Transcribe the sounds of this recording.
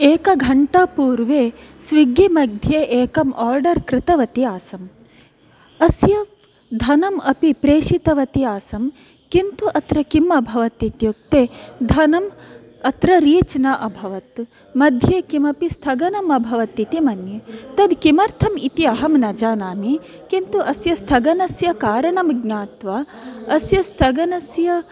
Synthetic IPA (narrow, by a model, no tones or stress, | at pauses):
eːkɐɡʱɐɳʈaːpuːɾʋeːsʋiɡimɐɡ̚d̪ʱjeːʔeːkɐmʔaːɾɖɐɾkɾɪt̪ɐʋɐt̪iaːsɐm | ɐsjɐʋ | d̪ʱɐnɐmɐpipɾeːʂit̪ɐʋɐt̪iaːsɐm | kint̪uʔɐt̪ɾɐkimɐbʱɐʋɐt̪it̪juk̚t̪eːd̪ʱɐnɐm | ɐt̪ɾɐɾiːt͡ʃnɐʔɐbʱɐʋɐt̪ | mɐd̪ʱjeːkimɐpist̪ʰɐɡɐnɐmɐbʱɐʋɐt̪ːit̪imɐnjɐt̪ɐd̪kimɐɾt̪ʰɐmit̪iɐɦɐmnɐd͡ʒaːnaːmi | kint̪uʔɐsjɐst̪ʰɐɡɐnɐsjɐkaːɾɐɳɐmɡɲaːt̪ʋa | ɐsjɐst̪ʰɐɡɐnɐsjɐ